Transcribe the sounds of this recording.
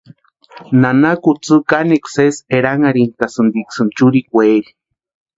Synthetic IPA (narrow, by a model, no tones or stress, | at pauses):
nanakut͡sɨkanekseseɾaŋaɾink̪asɨnd̪iksɨnt͡ʃuɾikʷeeɾi̥